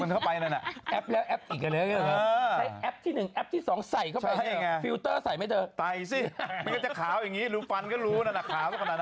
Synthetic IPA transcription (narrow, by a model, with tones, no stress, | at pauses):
mɯ˧nkʰwpa˧jna˧na˨˩ʔʔɛ˦˥p̚lɛː˦˥wʔɛ˦˥p̚ʔi˨˩k̚a˧ləː˧˥˩ə˧˩lːa˦˥jʔɛ˦˥p̚t̪ʰiː˥˩nɯ˨˩ŋʔɛ˦˥p̚t̪ʰiː˥˩sɔː˩˦ŋsa˨˩jkʰa˥˩a˧˩˥ŋa˧fi˧wt̪ɤː˥˩sa˨˩jma˥˩jt͡ɕɤː˧t̪a˧˩jsi˥˩ma˧nkɔ˥˩t͡ɕa˨˩kʰaː˩˦wja˨˩ŋːiː˦˥ɾuː˦˥fa˧nkʰɔː˥˩ɾuː˦˥na˧˥˩na˧˩kʰaː˩˦wk̪a˥˩ka˧˩naː˧na˦